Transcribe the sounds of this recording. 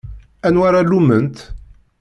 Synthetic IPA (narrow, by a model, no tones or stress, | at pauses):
ænwaɾalumənt̪